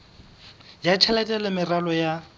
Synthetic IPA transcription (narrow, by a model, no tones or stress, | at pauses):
jat͡ʃʰɛlɛtʼɛlɛmɪralɔja